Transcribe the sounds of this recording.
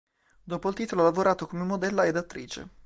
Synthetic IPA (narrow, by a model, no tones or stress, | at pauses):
d̪oːpoilt̪iːt̪oloalavoɾaːt̪okomemːod̪ɛlːaed̪at̪ːɾiːt͡ʃḛ